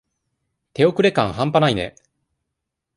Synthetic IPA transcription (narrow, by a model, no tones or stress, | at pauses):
t̪e̞o̞kɯ̟ɾe̞kã̰ɰ̃hãmpanainḛ